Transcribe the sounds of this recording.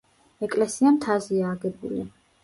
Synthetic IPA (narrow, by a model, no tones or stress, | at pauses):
ɛkʼlɛsiamt̪ʰaziaːɡɛbṵlḭ